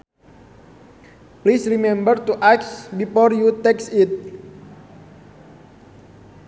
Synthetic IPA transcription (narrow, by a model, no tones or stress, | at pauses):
plisrimɛ̃mbərt̪uʔaksbifɔrjut̪ɛksit̪̚